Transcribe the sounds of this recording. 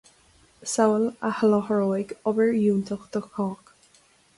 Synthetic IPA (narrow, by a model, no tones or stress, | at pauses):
sawələhəlɔhəɹoːɪɡɔbəɹjuːnt̪ʰəxd̪̥əxɑːk